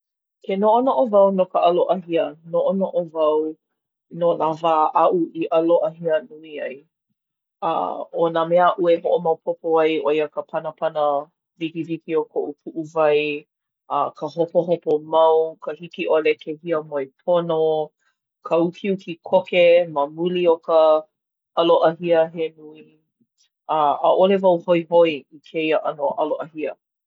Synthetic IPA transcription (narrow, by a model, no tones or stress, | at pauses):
kenoʔonoʔovɐwnokəʔɐloʔɐɦiənoʔonoʔovɐw | nonavaːʔɐʔuiʔɐloʔɐɦiənuiɐj | ɐ̰onamɛaʔueɦoʔomɐwpʰopoajʔoiəkəpʰɐnəpʰɐnə | vikivikiokʰoʔupʰuʔuvɐj | ɐ̰kʰəɦopoɦopomɐwkʰəhikiʔolekʰehiəmojpʰono | kʰəukʰiukikʰokeməmuliokə | ʔɐloʔɐɦiəɦenui | ɐɐ̰ʔolevɐwhoiɦoiikʰeiəʔɐnoʔɐloʔɐhiə